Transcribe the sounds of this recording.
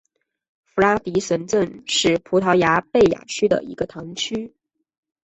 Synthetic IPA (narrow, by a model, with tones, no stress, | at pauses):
fu˧˥la˥t̪i˧˥ʂə˧˥nt͡sə˥˧nʂɻ̩˥˩pʰu˧˥t̪ʰɑ˧˥ʊja˧˥pe˥˩ɪja̰˨˩t͡ɕʰy˥d̪ə̰˨ḭ˧˥ɡ̥ə˧t̪ʰɑ˧˥ŋt͡ɕʰy˥